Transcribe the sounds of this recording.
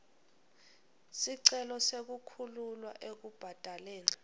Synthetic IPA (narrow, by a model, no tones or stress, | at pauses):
siǀɛlɔsek̬ukʰululwa̰ʔek̬ub̥ʱad̥ʱaleːni